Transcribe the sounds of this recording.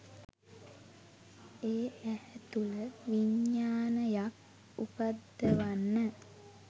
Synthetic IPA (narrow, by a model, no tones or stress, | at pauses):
eːæhɛt̪uləʋiɲːaːnəjak | upad̪ːəʋanːə